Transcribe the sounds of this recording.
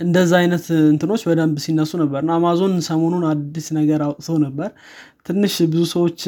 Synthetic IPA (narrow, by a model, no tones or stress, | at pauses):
ʔɨnd̪əzːaajnət̪ɨnt̪ʰɨno̞t͡ʃːbəd̪əmbsinːəsːunəbːəɾɨnːaamazo̞nsəmo̞nunad̪ːisnəɡəɾasəwnəbːəɾ | t̪ʰɨnːɨʃbɨzusəwo̞t͡ʃː